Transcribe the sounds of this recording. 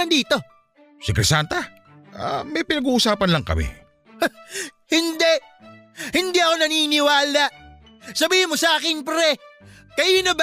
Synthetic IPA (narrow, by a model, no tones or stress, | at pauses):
ɐŋd̪iːt̪o̞ | sɪkɾɛsant̪ɐ | ʔa̰mɐjpɪnɐɡuːʔʊsaːpɐnlɐŋkɐ̰mɪ̰ | hɪnd̪ɛʔ | hɪnd̪iʔɐko̞nɐniːnɪwaːlaʔ | sɐbiːhɪnmosɐʔaːkɪnpɾɛ | kɐʔiːnob